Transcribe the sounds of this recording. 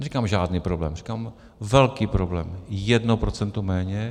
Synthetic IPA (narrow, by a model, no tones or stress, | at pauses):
nɛrikaːmʒaːdniːpɾoblɛ̰ːmri̥kaːm | vɛlkiːpɾoblɛ̰ːmjɛdnopɾot͡sɛnt̪omɛːɲɛ